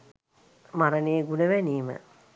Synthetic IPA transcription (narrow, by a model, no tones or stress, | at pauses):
maɾəneːɡunəʋɛniːmə̰